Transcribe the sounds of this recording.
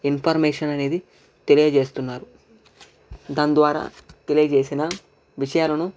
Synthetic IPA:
inpʰɐɾmeːʂɐnɐne̞ːd̪i | t̪e̞lijɐd͡ʒeːst̪unːaːɾu | d̪aːnd̪ʋaːɾa̰ːt̪e̞lijɐd͡ʒeːsinɐ | ʋiʂɐjaːlɐnu

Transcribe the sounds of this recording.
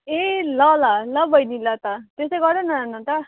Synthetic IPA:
elʌlalʌbʱʌjnilʌt̪at̪esʌjɡʌɾd̪enaanʌt̪ʌ

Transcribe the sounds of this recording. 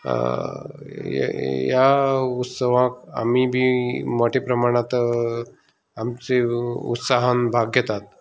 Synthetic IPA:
j̰jaut̪səʋãka̰mibʱiməʈʰepɾəmaɽ̃ãt̪ | amt͡seṵt̪saɦənbʱaɡjət̪at̪

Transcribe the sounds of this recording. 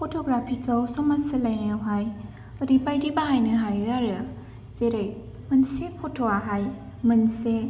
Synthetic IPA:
pʰɔtʰɔɡɾapʰikalsɔmasɯlajnɯwɦaj | ɯdibajɾibaɦajnɯɦajaɾɯ | z̥eɾej | mɯnsepʰɔtʰoaɦaj | mɯnse

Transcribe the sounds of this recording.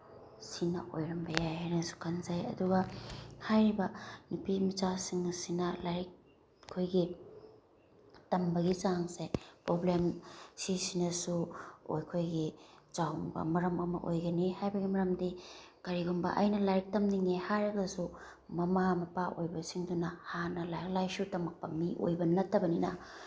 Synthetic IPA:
sinɐ̰ʔo̰jɾɐmbɐjajhajnɐsu̥kʰanzajɐ̰duɡɐhajɾibɐnupimit͡ʃasiŋsinɐlajk̚ | kʰojɡi | tɐmbɐɡizaŋsepɾoblemsisinɐsuo̰jkʰojɡit͡ʃawbɐ̰mɐɾɐmɐmɐ̰ʔo̰jɡɐnihajbɐɡimɐɾɐmdikɐɾiɡumbɐ̰ʔɐ̰jnɐlajk̚tɐmniŋehaɾɐɡɐsu | mɐmamɐpaʔojbɐsiŋdunɐhanɐlajk̚lajsutɐmɐk̚pɐmːiʔo̰jbɐnɐtʰːɐbɐninɐ̰

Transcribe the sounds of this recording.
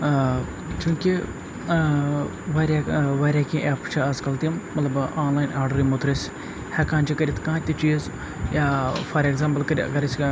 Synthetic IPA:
t͡ʃʲũːkʲi | ʋaːɾʲaːʋaːɾʲaːkĩʔɛːpt͡ʃʰiɐzkɐlt̪immːɐt̪lɐbʔaːnlaːjnaːɾɖɐɾimot̪ɾis | hɛkãːnt͡ʃʰikɐɾʲit̪ʰkãːt̪ʲit͡ʃiːz | jaːfʰɐɾeɡzaːmpɐlkɐɾ̰ʲɐ̰ɡɐɾɐsʲ

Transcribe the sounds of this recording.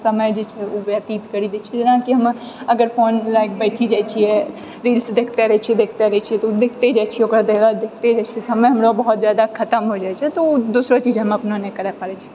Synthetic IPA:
səməjd͡ʒet͡ʃʰɛobjat̪iːt̪kəɾid̪et͡ʃʰid͡ʒenãkiɦəm | ɐɡəɾfoːnlaɪk̚ʰbɛːʈʰid͡ʒaːt͡ʃʰiɛ | ɾiːlsd̪eːkʰt̪eɾəɦɛt͡ʃʰiɛd̪ekʰt̪eɾəɦɛt͡ʃʰiɛt̪od̪ekʰt̪ed͡ʒaːt͡ʃʰiɛokɾad̪eɡad̪ekʰt̪ed͡ʒaːt͡ʃʰisɐməjɦɐmɾobɐɦɔt̪zjaːd̪akʰɐt̪əmɦod͡ʒaːjt͡ʃʰɛt̪od̪usɾot͡ʃiːd͡ʒɦəmɐpnonekɐɾɛpaːɾɛt͡ʃʰi

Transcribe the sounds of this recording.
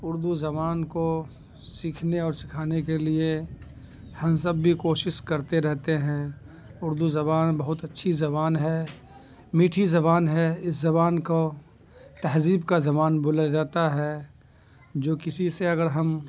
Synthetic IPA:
ʊɾd̪uzɐbaːnko | siːkʰneɔːɾsɪkʰaːnekelie | hɐ̃msɐbːʱikoːʃɪʃkɐɾt̪eɾɛɦt̪eɦɛ̃ː | ʊɾd̪uzɐβaːnbɐɦʊt̪ɐtːʃʰizɐβaːnɦɛ | miːʈʰizɐβaːnɦɛɪszɐbaːnko | t̪ɐɦziːbkazɐbaːnboːlad͡ʒaːt̪aɦɛː | d͡ʒoːkɪsiseɐɡəɾɦɐm

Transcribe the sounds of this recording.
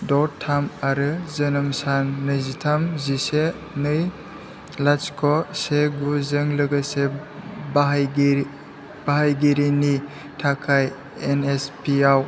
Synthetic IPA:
dɔttʰːamaɾɯzənɐmsanːɯzitʰamzise | nɯj | laskʰɔseɡuzɯŋlɯɡasebɦɡ | b̥aɦajɡiɾini | tʰakʰaj | enespʰiaw

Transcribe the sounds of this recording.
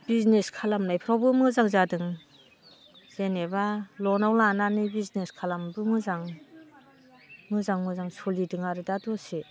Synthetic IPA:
b̥izneskʰalamnajpʰɾawbɯmɯzaŋzadɯŋ | z̥enebalɔnawlananibizneskʰalambɯmɯzaŋ | mɯzaŋmɯzaŋsolidɯŋaɾɯdadɔse

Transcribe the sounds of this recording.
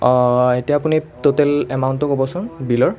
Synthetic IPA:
etiaːpunitotɛlɛmawntɔkobɔsʊnbilɔɹ

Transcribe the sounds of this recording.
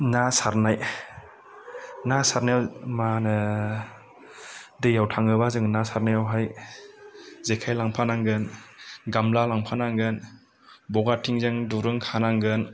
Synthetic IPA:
nasaɾnaj | nasaɾnawmanɯ | dɯjawtʰaŋɯbazɯŋnasaɾnajawɦaj | zekʰajlaŋpʰanaŋɡɯnɡamlalaŋpʰanaŋɡɯn | bɔɡatʰiŋzɯŋduɾɯŋkʰanaŋɡɯn

